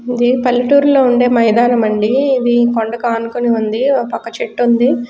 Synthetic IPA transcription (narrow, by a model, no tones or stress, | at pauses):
id̪ipɐlːiʈuːɾlo̞ːuɳɖeːmɐjid̪aːnɐmɐɳɖiid̪ikoɳɖɐkaːnukoniund̪ipɐkːɐt͡ʃeʈːund̪i